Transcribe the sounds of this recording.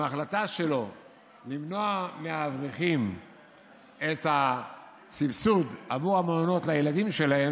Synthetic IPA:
aχlat̪aʃelo̞ | limno̞ameavʁiχim | et̪ha | sifsud̪avuʁamaono̞t̪lajelad̪imʃe̞lahem

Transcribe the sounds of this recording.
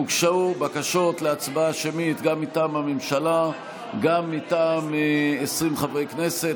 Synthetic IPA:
ukʃaubakaʃo̞t̪leat͡sbaʃemit̪ɡamːitaːmamemʃala | ɡamːitaːmeesʁimχavʁejkne̞se̞t

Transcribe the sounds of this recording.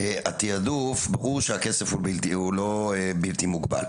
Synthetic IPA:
eat̪iadufbaʁuʁʃeakesefhuiltihulo̞ebilt̪imuɡba̰l

